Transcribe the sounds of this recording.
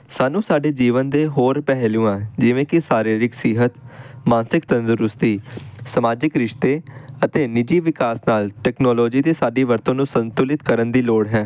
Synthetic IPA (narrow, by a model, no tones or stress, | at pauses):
saːnũːsaːɖeːd͡ʒiːʋənd̪eːɦoːɾpɛɦlĩːãːd͡ʒɪʋẽːkɪsaːɾiːɾɪksɪɦət̪mãːnsɪkt̪ənzʊɾʊst̪iːsəmaːd͡ʒɪkɾɪʃt̪eːət̪eːnɪd͡ʒiːʋɪkaːsnaːlʈɛːknɔːlɔːd͡ʒiːd̪eːsaːɖeːʋəɾt̪õːnũːsənt̪ʊlɪt̪kəɾənd̪iːloːɽɦɛ̃ː